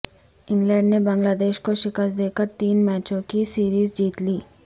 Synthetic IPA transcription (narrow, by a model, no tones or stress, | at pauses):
iŋɡleːɳɖnebɐŋɡlaːd̪eːʃkoːʃikɐsd̪eːkɐʈt̪iːnmaːt͡ʃoːkisiːɾiːzd͡ʒiːt̪li